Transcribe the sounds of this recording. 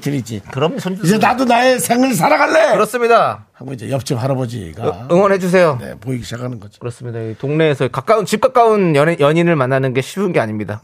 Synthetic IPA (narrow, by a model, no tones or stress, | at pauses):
tʰɯɾid͡ʑikɯɾʌmsʰʌnd͡ʑuid͡ʑenadonaesʰeŋɯɭs̬ʰaɾaɡaɭːekɯɾʌs͈ɯmɲidahaŋɡod͡ʑḭjʌp̚t͡ɕ͈iphaɾabʌd͡ʑḭɡaɯŋwʌnhe̞d͡ʑus̬ʰe̞jonḛpoiɡiɕʰaɡanɯnɡʌd͡ʑi̥kɯɾʌs͈ɯmɲidaitoŋne̞ːsʰʌkak͈aunt͡ɕip̚k͈ak͈aunjʌjʌɲinɯɭmanːanɯnɡe̞ɕʰiunɡe̞aɲimɲida